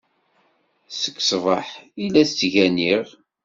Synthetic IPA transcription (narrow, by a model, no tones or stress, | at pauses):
sə̥kːsvˤəħilːæθt͡sːʝæniʁ